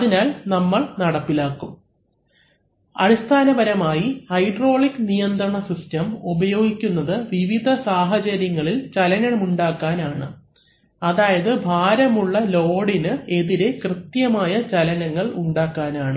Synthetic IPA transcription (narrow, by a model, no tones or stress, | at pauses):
ɐðinaːlnɐmːɐɭnɐɽɐpːilaːkːum | ɐ̰ɾist̪ʰaːnɐbɐɾɐmaːjihɐjɖro̞ːɭikːnijɐnd̪rɐɳɐsistɐmubɐjo̞ːɡikʲːunːɐðɨʋiʋid̪ʱɐsaːɦɐt͡ɕɐɾjɐŋːɐɭilt͡ɕɐlɐnɐɳɐmuɳɖaːkːaːnaːɳɨ | ɐðaːjɐðɨbʱaːɾɐmuɭːɐlo̞ːɽinɨe̞ðiɾe̞krɨt̪jɐmaːjɐt͡ɕɐlɐnɐŋːɐɭuɳɖaːkːaːnaːɳɨ